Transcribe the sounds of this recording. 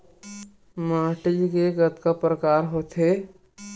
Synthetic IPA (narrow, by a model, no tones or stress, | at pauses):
mãːʈɪd͡ʒkeɡət̪kapɾəkaːɾɦoːt̪ʰɦe